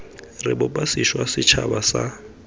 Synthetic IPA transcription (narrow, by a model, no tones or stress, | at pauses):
rɪbʊpʼasiʃwasɪt͡ʃʰa̰basa